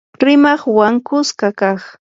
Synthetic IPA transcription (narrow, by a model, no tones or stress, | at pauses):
ɾɪmɑχwaŋkʊskakaχ